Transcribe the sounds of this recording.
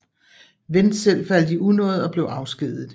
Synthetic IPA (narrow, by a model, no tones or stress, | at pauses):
ʋend̥sel̰fæl̰d̥iunɔ̽ːð̞̩ˠɒ̽b̥le̝ʊɑ̈ʊsɡ̥ið̰ˠð̩ˠ